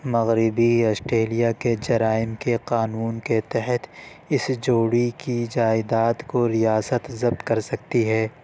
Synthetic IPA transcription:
mɐɣɾɪbiɔːsʈɾeːlijaked͡ʒɐɾaːɪmkeqaːnuːnket̪ɛɦət̪ʰ | ɪsd͡ʒoːɽikid͡ʒaːɪd̪aːt̪koɾijaːsət̪zɐb̚t̪kɐɾsɐk̚t̪iɦɛː

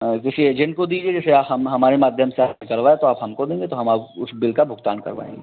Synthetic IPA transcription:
kɪsieːd͡ʒɛ̃ɳʈ̚kod̪iːd͡ʒied͡ʒɛːseaːpɦɐmɦɐmaːɾemaːd̪ʱjəmseanɪkəlʋaːet̪oaːpɦɐmkod̪ẽːŋɡet̪oɦɐmaːpʊsbɪlkabʱʊɡt̪a̰ːnkɐ̰ɾʋa̰ːḛ̃ːŋɡeː

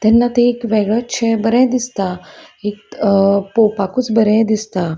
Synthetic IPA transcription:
t̪ɛnːat̪eːkʋeɡɭət͡ɕʰɛbəɾɛ̃d̪ist̪aekpopakuːt͡sbəɾɛ̃d̪ist̪a

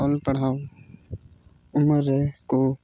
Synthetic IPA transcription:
ɔːlpəɽ̤aːo | ʊməɾeko

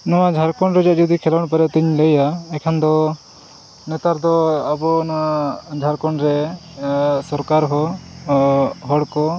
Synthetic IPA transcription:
nɔwad͡ʒʱaɾkɔɳɾɛd͡ʒaʔd͡ʒɔd̪ikʰɛlaɳpɛɾɛt̪iɲləjaɛkʰand̪ɔ | nɛt̪aɾd̪ɔabɔnɔwad͡ʒʱaɾkɔɳɾɛ | sɔɾkaɾɦɔ | ɦɔɽkɔ

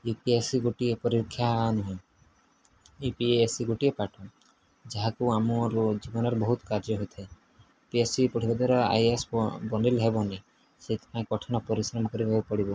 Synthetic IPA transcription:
jupiesiɡuʈiepɔɾikʰːjanuɦɔ̃ | ipiesiɡuʈiepaʈʰɔ | d͡ʒaɦakuamɔɾd͡ʒibɔnɔɾɔbɔɦut̪kaɾd͡ʒɔɦojt̪ʰae | piesipɔɽʰibad̪ʱaɾɔa̰jesbɔnɖilɦebɔne | set̪ʰi̥pãẽkɔʈʰɔnɔpɔɾisɾɔmɔkɔɾibʱɔbupɔɽibɔ

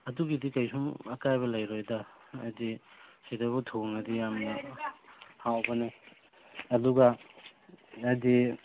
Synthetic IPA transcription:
ɐduɡidikɐjsumɐkajbɐlɐjɾojdɐːdisidabutʰoŋɐdijamnɐ | hawbɐne | ɐduɡa | ɐdi

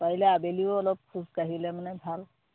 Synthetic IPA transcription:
paɦilɛabeliʊɔlɔp̚kʰuzkaɦilɛmanɛbʱal

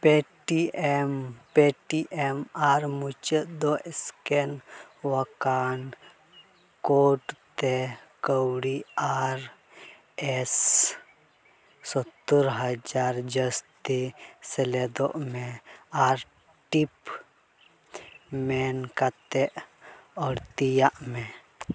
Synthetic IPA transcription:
peʈiempeʈiʔemaːɾmut͡ʃəd̪oʔɪskenwəkaːn | koʈt̪ekəwɽiaɾ | ɛs | sɔt̪ːəɾɦəd͡ʒaːɾd͡ʒəst̪iseled̪o̰ʔmẽaːɾ | ʈip | menkat̪eʔɔːɾt̪ijaʔmẽ

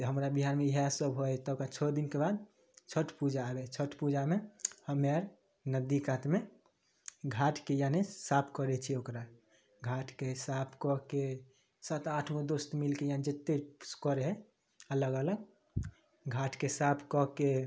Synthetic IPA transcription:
t̪ɔɦəmɾabiɦanmeɦasəbɦojt̪ɔokat͡ʃʰɔd̪inkebad̪̚ | t͡ʃʰəʈʰpud͡ʒaːbet͡ʃʰəʈpud͡ʒamehəmːeaɾ | nəd̪ikat̪me | ɡʱaʈʰkejanesapʰkəɾɛt͡ʃʰɛokɾa | ɡʱaʈʰkesapʰkɔke | sat̪aʈʰmed̪ost̪milkejand͡ʒet̪ːeskɔɾeɦɛ | ələɡələɡ | ɡʱaʈʰkesapʰkɔke

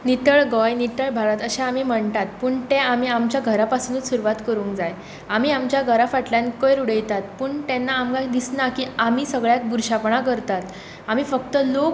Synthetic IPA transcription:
nit̪əɭɡɔjnit̪əɭbʱaɾat̪əɕeamiːm̤əɳt̪at̪̚puːɳt̪ẽamiːamt͡ɕjaɡʱəɾapasunut͡ssuɾuʋat̪kəɾũːŋkd͡zaj | am̤iːamt͡ɕjaɡʱəɾafaʈljankəjɾuɽəjt̪at̪̚pəːɳt̪ɛnːaːmɡad̪isnakiːamiːsəɡɭjak̚buɾɕapɳakəɾt̪at̪ | amiːfəkt̪əlok

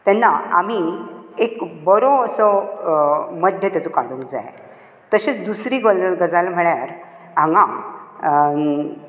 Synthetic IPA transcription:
t̪ɛnːaa̰m̤iekbəɾoəsɔ | məd̪ʱjət̪jat͡sɔkaɽũŋkd͡za̰je | t̪əɕet͡sd̪usɾiɡɡəd͡zalm̤əɭjaɾ | ɦãŋɡa

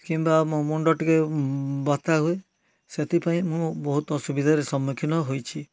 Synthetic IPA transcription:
kimbamõmuɳɖɔʈikebat̪aɦue | set̪ʰipaĩmũbɔɦut̪ɔsubid̪ʱaɾesɔmːukʰinɔɦojt͡ʃʰi

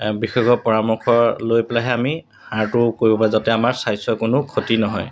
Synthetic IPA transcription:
bixɔɡɔpɔɹamɔkʰɔɹlojpɛlaɦɛami | haɹtʊkoɹibɔpazatɛamaɹsajsɔkʊnʊkʰotinɔɦɔ̰j

